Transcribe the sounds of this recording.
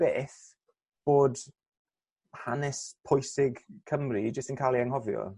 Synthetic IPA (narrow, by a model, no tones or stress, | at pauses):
b̥eːθ | b̥oːd | hanɛspʰɔjsɪɡkʰəmrid͡ʒəstənkʰalˠiaŋɦɔvjɔ̰